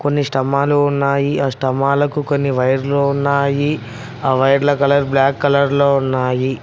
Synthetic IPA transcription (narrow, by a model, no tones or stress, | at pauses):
ko̞nːiʂʈɐmaːluunːaːjiaːʂʈɐmaːlɐkukonːiʋɐjɐɾloːunːaːji | aːʋɐjɐɾlɐkɐlɐɾblaːkːɐlɐɾlo̞ːunːaːji